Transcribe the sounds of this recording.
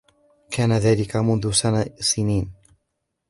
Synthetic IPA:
kʰaːnaðaːlɪkamʊnðʊsanasɪniːn

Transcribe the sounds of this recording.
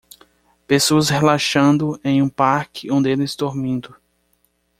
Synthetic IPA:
pesoɐshelaʃɐ̃nd̪ʊẽj̃ũpaɾkʰɪõd̪ɪelɪzd̪oɾmĩnd̪ʊ

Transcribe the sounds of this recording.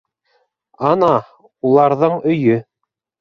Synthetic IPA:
ɑnɑ | ulˠɑɾðɤɴɵ̆jɵ

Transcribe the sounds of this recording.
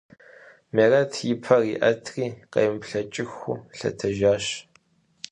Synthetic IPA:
merɐtʰjɪpʰɐriːʔɐtʰriːqɐ̰jmpɬɐt͡ʃʼɪxṵɬɐ̰tʰɐʒaːɕ

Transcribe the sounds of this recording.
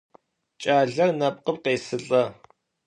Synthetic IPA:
t͡ʃʼaːɮɐrnɐp̚ʼqəp̚qeːsɨɬʼɐ

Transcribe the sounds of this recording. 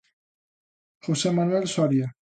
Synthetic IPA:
χosemanuelsoaɾia

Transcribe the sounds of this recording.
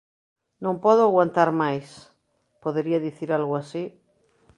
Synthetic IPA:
nõmpɔðoaɣwant̪aɾmajs | poðeɾiaðiθiɾalɣoasi

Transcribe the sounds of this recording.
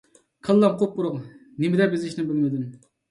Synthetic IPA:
qʰəlˠːɑmqʰop̚qʊɾʊq | nɪmɪd̪ɛbɪzɪʃnɪbɪlmɪd̪ym

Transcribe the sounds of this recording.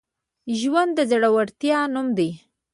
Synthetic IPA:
ʒwand̪ːəzaɽawaɽt̪jɑnumd̪e

